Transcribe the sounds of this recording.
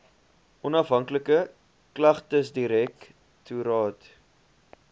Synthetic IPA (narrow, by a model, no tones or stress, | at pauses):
ʔɔnɐfɦɐŋkləkə | klɐχtəsdiɾɛk | tʰuɾɑːt